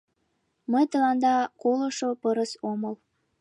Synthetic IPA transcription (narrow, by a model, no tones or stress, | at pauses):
məjt̪əlɑnd̪ɑkoləʃopəɾəsoməl